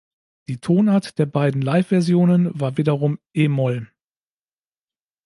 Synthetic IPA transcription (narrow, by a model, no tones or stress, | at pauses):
d̥iːtʰoːnaɐtd̥eːɐbaɪdn̩laɪfv̥ɛɐzjoːnənvaːɐviːdɐʁʊmʔeːmɔl